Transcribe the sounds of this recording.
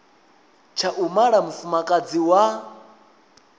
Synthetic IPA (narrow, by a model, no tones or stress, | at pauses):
t͡ʃʰaʔumaɺamufumakʼad͡ziwa